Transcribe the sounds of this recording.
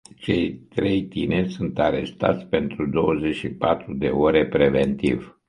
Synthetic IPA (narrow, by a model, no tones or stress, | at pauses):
t͡ʃe̞jt̪ɾe̞jt̪inerʲsunt̪aɾe̞st̪a̰t̪sʲpe̞nt̪ɾud̪o̞wəze̞t͡ʃʃipat̪ɾud̪e̞oɾe̞pɾe̞ve̞nt̪iv